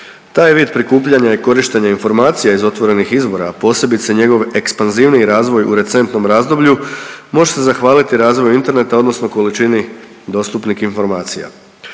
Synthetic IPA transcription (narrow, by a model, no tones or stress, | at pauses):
t̪aːjʋiːd̪̚pɾikuːpʎaɲaiko̞ɾiʃt̪eɲainfo̞ɾmaːt̪sijaizo̞t̪ʋo̞ɾe̞nixizbo̞ɾaːpo̞ːse̞bit̪seɲe̞ɡo̞ʋe̞kspanziːʋniɾaːzʋo̞juɾe̞t̪se̞nt̪no̞mɾaːzd̪o̞bʎumo̞ʒet̪ezaxʋaːlit̪iɾaːzʋo̞juint̪e̞ɾne̞t̪ao̞d̪no̞sno̞kolit͡ʃini | d̪o̞st̪upnikinfo̞ɾmaːt̪sija̰